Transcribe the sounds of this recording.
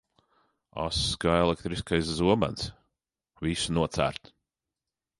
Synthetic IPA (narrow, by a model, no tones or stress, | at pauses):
a̰sːkaɛlˠek̚t̪ɾiskajs̬zuɔma̰ns | visunuɔt̪sæ̰ːɾt̪